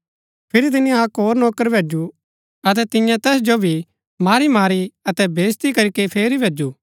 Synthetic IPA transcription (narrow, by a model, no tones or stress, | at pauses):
pʰɪɾit̪̬ɪniãkɦoːɾnoːkəɾbʱeːd͡ʒu | ɐt̪̬ɛt̪ɪ̃jãt̪ɛːsd͡ʒobʱi | maːɾimaːɾiɐt̪ɛbeːst̪ikɐɾikepʰeːɾibʱeːd͡ʒu